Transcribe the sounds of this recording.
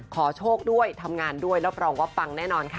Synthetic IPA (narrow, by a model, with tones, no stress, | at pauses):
kʰɔː˩˦t͡ɕʰoː˥˩k̚du˥˩əjt̪ʰa˧mŋaː˧ndu˥˩əjɾa˦˥p̚ɾɔː˧ŋwa˦˥p̚fa˧ŋnɛː˥˩nɔː˧nkʰa˦˥